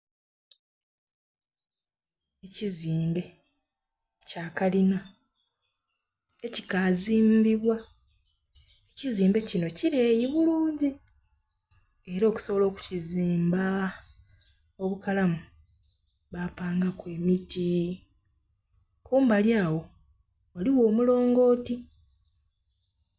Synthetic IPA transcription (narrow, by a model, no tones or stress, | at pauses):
e̞ciziːmbe̞ | caːkalina | ecikaziːmbiβwa | eciziːmbe̞cino̞ciɾeːjiβuluːɲɟi | e̞ɾo̞ːku̥so̞βolo̞ːku̥ciziːmba | o̞βukalamu | βapaːŋɡakwe̞ːmiti | kuːmbaljaːwo̞ | waliwo̞ːmulo̞ːŋɡo̞ːti